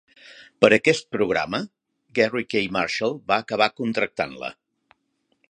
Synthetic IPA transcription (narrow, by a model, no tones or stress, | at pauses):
pəɾəkɛst̪̚pɾuɣ̞ɾa̰mə | ɡɛrikejma̰ɾʃəlˠbaːkəβ̞akunt̪ɾək̚t̪a̰nlə̰